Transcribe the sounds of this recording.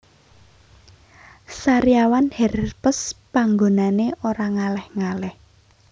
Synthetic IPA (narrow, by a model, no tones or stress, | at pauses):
saɾijawanhɛrpəspaŋɡonaneʔoɾaŋalɛhŋalɛh